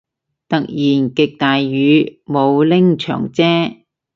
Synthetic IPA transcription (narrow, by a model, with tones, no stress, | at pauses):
t̪ɐ˨k̚jiː˨˩nkɪ˨k̚t̪aː˨jːyː˨˧mo˨˧wlɪ˥ŋt͡ʃʰœ̰ː˨˩ŋt͡sɛː˥